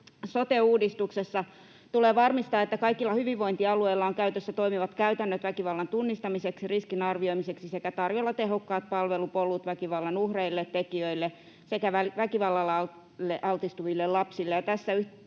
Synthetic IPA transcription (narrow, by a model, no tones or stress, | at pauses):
sot̪euːdist̪uksesːɑ | t̪uleːʋɑrmist̪ɑːet̪ːækɑikilːɑhyʋiʋʋoint̪iɑlueilːɑoŋkæyt̪øsːæt̪oimiʋɑt̪kæyt̪ænːøt̪ʋækiʋɑlːɑnt̪unːist̪ɑmiseksiriskinɑrʋioimiseksisekæt̪ɑrjolːɑt̪eɦokːɑːt̪̚pɑlʋelupolut̪ʋækiʋɑlːɑnuhreilːet̪tekiøilːe | sekæʋælʋækiʋɑlːɑlːɑl | lːeʔɑlt̪ist̪uʋilːellɑpsilːejɑt̪æsːæy